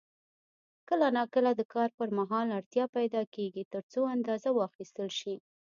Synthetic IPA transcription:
kəlanakəlad̪əkɑɾpəɾmaɦɑlaɽt̪jɑpajd̪ɑkeɡit̪əɾt͡soand̪ɑzawəɑxist̪əlʃi

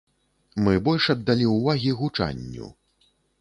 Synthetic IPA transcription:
mɨbɔlʲʂɐd̪ːalʲiwvaɣʲiɣut͡ʂa̰nʲːṵ

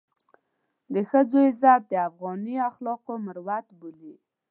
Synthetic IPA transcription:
d̪əxəd͡zoɪzat̪̚d̪əafɣɑniaxlɑqoməɾwat̪buli

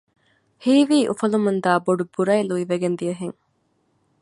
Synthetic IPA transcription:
hiːʋiːʔufɐlumund̪aːboɖubuɾɐjluiʋeɡend̪ijɐɦeŋ

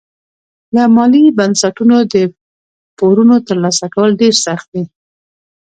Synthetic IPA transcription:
lamɑlibansaʈunod̪ə | poɾunot̪əɾlɑsakawəlɖeɾsaxt̪̚d̪i

